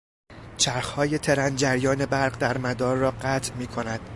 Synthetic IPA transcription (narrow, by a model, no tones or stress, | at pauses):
t͡ʃʰæɾxhɒːje̞t̪ʰe̞ɾænd͡ʒæɾjɒːne̞bæɾɢd̪æɾmæd̪ɒːɾːɒːɢæt̪ʰmiːkʰo̞næd̪̥